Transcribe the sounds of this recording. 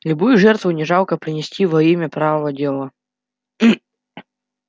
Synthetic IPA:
lʲʊbujʊʐɛrt̪vʊnʲɪʐalˠkəpɾʲɪnʲɪsʲtʲivɐimʲəpɾavəvədʲelˠə

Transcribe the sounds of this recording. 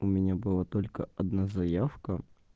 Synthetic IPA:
ʊmʲɪnʲabɨlˠat̪olʲkəɐd̪nazɐjafkə

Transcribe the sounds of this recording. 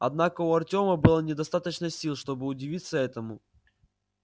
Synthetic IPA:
ɐd̪nakəʊɐrtʲo̞məbɨlˠənʲɪd̪ɐst̪at̪ət͡ɕnəsʲilˠʂt̪o̞bɨʊdʲɪvʲit̪sːəɛt̪əmʊ

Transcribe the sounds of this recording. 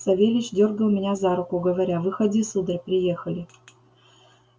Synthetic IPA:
sɐvʲelʲɪt͡ɕdʲorɡəlˠmʲɪnʲazaɾʊkʊɡəvɐɾʲavɨxɐd̪ʲisud̪ərʲpʲɾʲɪjexəlʲɪ

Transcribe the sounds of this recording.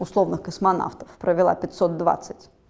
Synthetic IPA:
ʊslˠovnɨxkəsmɐna̰ft̪əfpɾəvʲɪlˠa̰pʲɪtʲsot̪̚d̪va̰t̪sːɨtʲ

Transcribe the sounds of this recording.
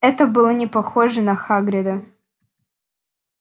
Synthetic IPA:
ɛt̪əbɨlˠənʲɪpɐxoʐɨnɐxaɡɾʲɪd̪ə

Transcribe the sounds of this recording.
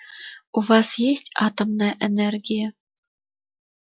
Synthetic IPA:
uvɑsjesʲtʲɑt̪ɤ̆mnɤ̆ʔɘ̆nʲerɡʲijɘ

